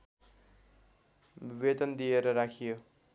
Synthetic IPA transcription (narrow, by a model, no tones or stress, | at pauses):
bʱibed̪ʌnd̪ijeɾʌɾakʰijo